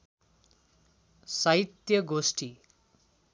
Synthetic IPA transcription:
sʌit̪jʌɡosʈʰi

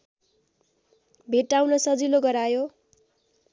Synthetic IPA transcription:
bʱeʈːaw̃nlʌsʌd͡ziloɡʌɾajo

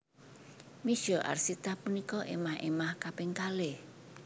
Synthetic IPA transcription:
mi̥ʒ̥ɔʔa̰rsit̪apunikɔʔemahḛmahkapɪŋkale

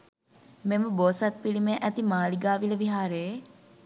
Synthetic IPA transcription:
meməboːsɐt̪̚pilimeʔæt̪imaːliɡaːʋiləʋiɦaːɾe

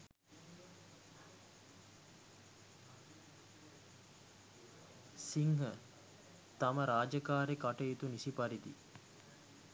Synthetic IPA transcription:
siŋɦə | t̪aməɾaːd͡ʒəkaːɾekaʈəjet̪unisipaɾid̪i

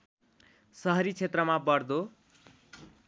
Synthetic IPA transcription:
sʌɦʌɾit͡sʰet̪rʌmabʌrd̪o

